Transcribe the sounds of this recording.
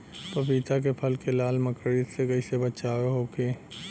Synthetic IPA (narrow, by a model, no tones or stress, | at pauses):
pɐpiːt̪ak̬epʰɐlkelaːlmɐkɾit̪sekɐisebɐt͡ʃaːweɦoːkeː